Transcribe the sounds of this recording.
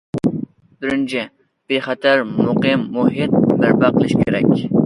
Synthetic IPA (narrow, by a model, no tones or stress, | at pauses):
b̪ɪɾɪnt͡ʃʰɪ | b̥eχɛt̪ʰæɾmʊqɨmːuɦɪt̪̚bæɾbæqʰəlˠɨʃkʲʰeɾɛ̰kʲ